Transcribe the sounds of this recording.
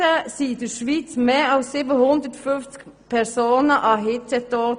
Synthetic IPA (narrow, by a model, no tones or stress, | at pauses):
əsiːd̪əʃʋiːt͡smeːɑʊsːiːbəhʊnd̪ətfʏnft͡sk | pʰɛɾsoːnəʔɑɦɪtɛtoː